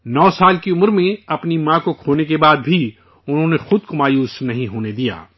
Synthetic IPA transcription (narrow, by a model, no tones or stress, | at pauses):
nɔːsaːlkiʊməɾmẽɐpnimãːkokʰoːnekebaːd̪bʱi | ʊnɦõːnexʊd̪komaːjuːsnɐɦĩɦoːned̪ija̰ː